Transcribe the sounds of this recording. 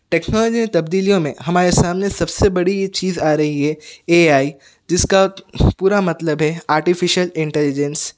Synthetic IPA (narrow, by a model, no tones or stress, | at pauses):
ʈɛːknɔːlɔːd͡ʒimẽt̪ɐbd̪iːlijõmḛ̃ɦɐmaːɾesaːmnesɐbsebɐɽit͡ʃiːzaːɾɐɦiɦɛːeːaːi | d͡ʒɪskapuːɾamɐt̪ləbɦɛaːɾʈifɪʃəlɪ̃ɳʈɛlɪd͡ʒɛns